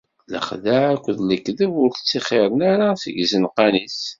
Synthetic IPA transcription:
lə̰χðaʕækʷːðləkːðəvʊɾθə̥t͡sːiχɪɾˤənaɾasə̰ʝzənqɑnis

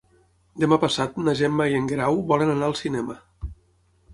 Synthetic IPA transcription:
d̪əmapəsat̪naʒɛmːaiəŋɡɾawβɔlənanaəlˠsinɛmə

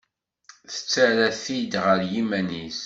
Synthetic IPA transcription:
θə̥t͡sːæɾæθid̪ʁəɾjimænis

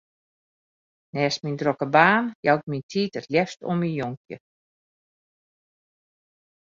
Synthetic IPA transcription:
nɛːsmindrokəbaːnjawt̚mintʰiːtətljɛfsto̰minjoŋkjə̰

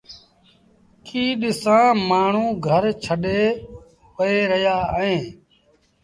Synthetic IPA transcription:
kʰiːɗɪsãːmaːɳ̤ũːɡʱəɾt͡ʃʰəɗeː | pəeːɾəjaːɦẽː

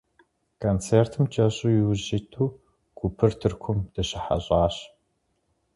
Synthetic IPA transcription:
kʰont͡sʰeːrtʰɨmt͡ʃʼɐɕʼujwʑitʰuː | kʷʰupʰɨrtʰɨrkʷʰʊmd̥ɐɕɐħa̰ɕʼɑːɕ

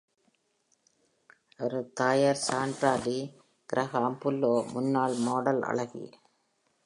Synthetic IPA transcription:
ɔɾɯt̪aːjɐɾsaːɳɖɾaːði | ɡ̥ɪɾɐɣaːmpʊlːoːmʊnːaːlmoːɽɐlɐ̰ɭɐɣḭ

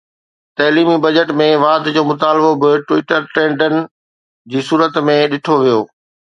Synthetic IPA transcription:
t̪ɐɦliːmibɐd͡ʑəʈmẽʋaːd̪d͡ʑoːmʊt̪aːlbobɪʈʋɪʈəɾʈɾẽːɳɖənɪ̆ | d͡ʑiːsuːɾət̪mẽɗɪʈʰoʋijoː

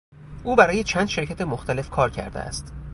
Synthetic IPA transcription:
ʔuːbæɾɒːje̞t͡ʃʰæːnd̪ʃe̞ɾcʰæt̪e̞moxt̪æle̞fkʰɒːɾcʰæ̰ɾd̪ḛæ̰st̪

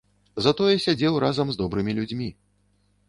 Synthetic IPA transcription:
zɐt̪ɔjɛsʲad͡zʲɛwrazɐmzd̪ɔbɾɨmʲilʲud͡zʲmʲi

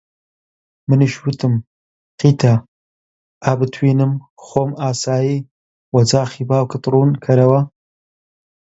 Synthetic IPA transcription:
mɨnɨʃwɨt̪ʰɨm | qiːt̪ʰɐ | ʔabɨt̪ʰwiːnɨm | xoːmaːsaːjiː | wɐd͡zaːxibaːwkɨt̪ɾuːnkʰɐɾɐwɐ

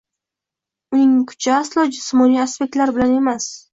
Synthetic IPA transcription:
ʊnɪŋkʰʊ̥t͡ʃʰaaslˠɒd͡ʒɪsmɒnijaspek̚t̪laɾbɪlane̞mas

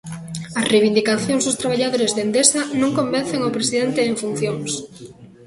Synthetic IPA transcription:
ɐsrejβind̪ikaθjõŋzðʊst̪ɾaβ̞aʎaðoɾezðend̪esanõŋkomben̟θeŋawpɾesiðent̪eːɱfun̟θjoŋs

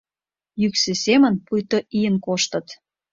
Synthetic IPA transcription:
jyksĕsʲemə̆npujt̪oʔijənkoʃt̪ə̆t̪

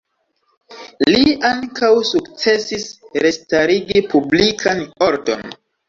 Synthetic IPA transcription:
liaŋkawsukt͡se̞sisɾestaɾiɡipublikʰano̞ɾdo̰n

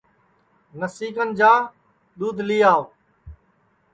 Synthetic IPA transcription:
nəsiːkənd͡ʒaː | ɗ̪uːd̪ʱliːaːo

